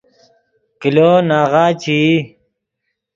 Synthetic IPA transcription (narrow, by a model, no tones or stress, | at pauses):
kiloːnaːʁaːt͡ɕʰiː